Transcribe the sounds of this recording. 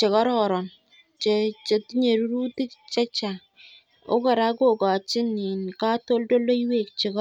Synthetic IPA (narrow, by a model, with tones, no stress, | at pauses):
t͡ʃe˨kɔ˦ɾɔ˨ɾɔ˨n | t͡ʃe˨t͡ʃe˨tɲe˨ɾu˦ɾu˦ti˦kt͡ʃɛ˦t͡ʃa˨ | o˦kɔ˨ɾa˦ko˦˨ka˨t͡ʃɪ˦ni˨n˨ka˦to˦ldo˦lo˦i˦we˦˨k̚t͡ʃe˨kɔ˦